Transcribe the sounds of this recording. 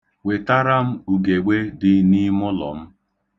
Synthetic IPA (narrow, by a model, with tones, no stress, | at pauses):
we˨ta˦ɾa˦m̩˦u˨ɡe˨ɡ͡be˦dɪ˦ni˦mʊ˦lɔ̰˨m̩˦